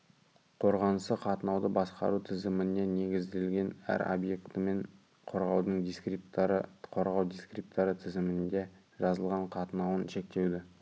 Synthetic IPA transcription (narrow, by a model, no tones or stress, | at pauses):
qʰo̞ɾʁɑnəsəqʰɑt̪ənɑwd̪əbɑsqɑ̰ɾut̪ʰɪzɪmɪnene̞ɡʲɪzd̪e̞lɡʲe̞næ̰ɾo̰bje̞kt̪əme̞ɴ | qʰo̞ɾʁɑwd̪əɴd̪iskipt̪ɾəqʰoɾʁɑwd̪ijskrip̚t̪ɑɾət̪ʰɪzɪmɪnd̪e̞ | ʒɑzəlˠʁɑɴqʰɑt̪ənɑwənʃe̞k̚t̪e̞wd̪ɪ